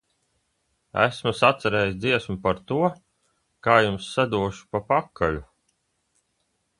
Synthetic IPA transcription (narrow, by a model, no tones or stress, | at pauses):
æ̰smusat̪saɾɛːjis̬ʲd̪ziɛsmupaɾt̪uɔ | kaːjumsːad̪uɔʃu̥papakʰːalʲu